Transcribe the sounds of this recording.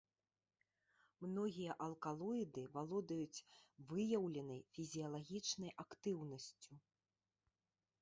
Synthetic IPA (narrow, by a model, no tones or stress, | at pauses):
mnɔɣʲijɐʔɐlˠkalˠɔid̪ɨvalˠɔd̪ɐjut͡sʲvɨjɐwlʲɛnɐjfʲizʲijɐlˠaɣʲit͡ʂnɐjʔakt̪ɨwnɐsʲt͡sʲu